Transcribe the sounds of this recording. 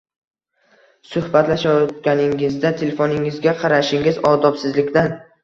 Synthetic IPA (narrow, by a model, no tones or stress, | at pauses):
sʊhbat̪laʃɒt̪̚ɡʲanɪŋɪzd̪at̪ʰelefonɪŋɪzɡʲaqʰɑɾaʃɪŋɪzɒd̪ɒpsɪzlɪkʲd̪an